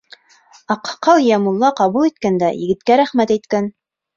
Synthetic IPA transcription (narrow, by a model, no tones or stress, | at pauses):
ɑqqːɑlˠjæmulˠːɑqɑβulˠit̪̚kænd̪æjɘ̆ɡɘ̆t̪kæɾæχmæt̪æjt̪kæn